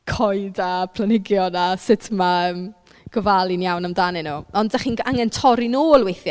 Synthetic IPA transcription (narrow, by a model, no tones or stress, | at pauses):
kʰɔjdapʰl̥ənɪɡjɔnasɪtʰmaəːm | ɡ̥ɔvalˠinjawnamdanɪnuːɔndaχiːna̰ŋɛntʰɔɾinoːlˠwejθ